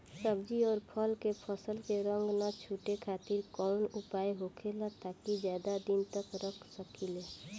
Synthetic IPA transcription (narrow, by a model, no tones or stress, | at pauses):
səbd͡ʒiɔːɾpʰəlkepʰəsəlkeɾə̃ŋɡnat͡ʃʰuːʈekʰaːt̪ɪɾkɔːnʊpaːeɦoːkʰelat̪aːkid͡ʒjaːd̪ad̪ɪnt̪əkɾəkʰsəkileː